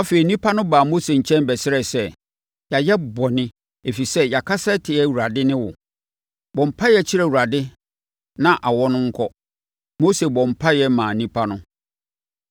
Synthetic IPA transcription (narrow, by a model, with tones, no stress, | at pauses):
a˦fe˨i˨nĩ˦pʰa˦nʊ̃˦baː˨mo˦se˨ɲ̩˨t͡ɕʰɛ̃˦nbɛ˨sɪ˦ɾɛ˨sɛ˦ | ja˨jɛ˦bɔ˨nɪ̃˦ | e˨fi˨sɛ˦ja˨kʰa˦sɛ˦tʰɪ˨ɛ˦˨wu˨ɾa˨dɪ˦nɪ̃˦wʊ˨ | bɔ̃˨m̩˨pʰa˦jɛ˨t͡ɕʰi˦ɾæ˨wu˨ɾa˨dɪ˦ | nã˨ʔa˨wɔ˦nʊ̃˦ŋ̩˦kʰɔ˦ | mo˦se˨bɔ̃˨m̩˨pʰa˦jɛ˦mãː˨nĩ˦pʰa˦nʊ̃˦